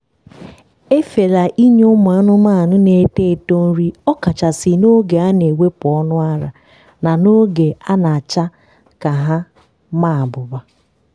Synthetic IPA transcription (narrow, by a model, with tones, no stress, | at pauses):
e˦fe˨la˨ʔi˦ɲ˦ʊ˦mʊ˨a˦nʊ˦ma˦˨a˨nʊ˦ne˨˦te˦˨to˦n̩˦ɾi˦ɔ˦ka˨t͡ʃa˨sɪ˨no˦ɡe˨a˦ne˨we˦pʊ˨ɔ˦nʊ˦a˦ɾa˨ | na˨no˦ɡe˨a˦na˨a˨t͡ʃa˦ | ka˨ɦa˦ | ma˦˨a˨bʊ˨ba˨